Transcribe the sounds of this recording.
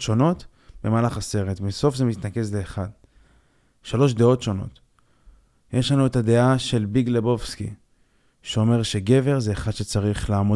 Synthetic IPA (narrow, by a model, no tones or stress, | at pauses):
ʃo̞no̞t | b̥e̞maːlaχase̞ʁe̞tmiso̞fze̞mit̪nake̞zleːχad̪ | ʃalo̞ʃ̬d̪e̞o̞tʃo̞no̞̰t | jʔe̞ʃlanuetad̪e̞aʃe̞lbiɡlebo̞fskḭ | ʃeo̞me̞ʁʃe̞ɡe̞ve̞ʁzeːχad̥̪ʃe̞t͡saʁiχlaːmo